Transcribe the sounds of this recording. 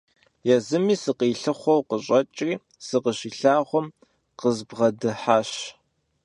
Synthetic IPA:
jɛzɨmiːsɨqiːɬɨχʷɔwqəɕʼɐt͡ʃʼriː | sɨqəɕiːɬaːʁʷɔm | qəzbʁɐdɨħaːɕ

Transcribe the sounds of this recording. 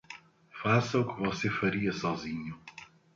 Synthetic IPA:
fasɐʊkɪvɔsefɐɾiɐsɔzĩɲʊ

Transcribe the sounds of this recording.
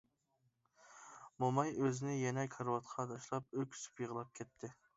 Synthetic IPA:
momɑjøzɪnɪjɛnɛkʰɑɾwɑt̪qʰɑd̪ɑʃlˠɑp̚økʲsy̥pjəʁəlˠɑp̚kʲʰɛt̪ʰːɪ

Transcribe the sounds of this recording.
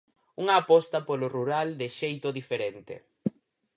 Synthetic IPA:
uŋɐːpɔst̪ɐpolʊruɾald̪ɪʃejt̪ʊðifeɾent̪ɪ̰

